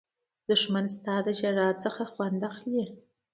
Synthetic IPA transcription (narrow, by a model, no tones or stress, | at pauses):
d̥ʊʂmɐnstʰaːdɐʒɐraːt͡sʼɐχɐχʷɑnd̪ɐχji